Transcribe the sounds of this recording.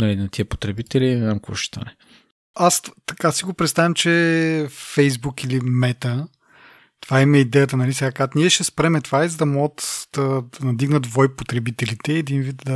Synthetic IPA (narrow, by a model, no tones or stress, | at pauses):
nɐlinɐt̪ʰiəpo̥t̪ɾɛbit̪ɛlinɛzamkoɔ̰ʃɛ̥t̪ʰa̰nɛ | ast̪ɐkasiɡopɾɛt̪st̪avɐmt͡ʃɛ | fɛjzbukilimɛt̪ə | t̪ovaimɐid̪ɛjət̪ənɐlisɛɡakat̪niɛʃɛspɾɛmɛt̪vaizɐd̪ɐmɔɡət̪d̪̥ɐd̪ɐnɐd̪iɡnəd̪d̪vɔipot̪ɾɛbit̪ɛlit̪ɛːd̪invit̪d̪ɐ